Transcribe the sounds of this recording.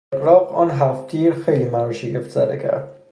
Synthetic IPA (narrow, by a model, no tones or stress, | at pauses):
ɣlɒːqɒ̰ːnɦæft̪ʰiːɾxejliːmæɾuʃieft̪zæ̰d̪ḛkʰæ̰ɾd̪̥̚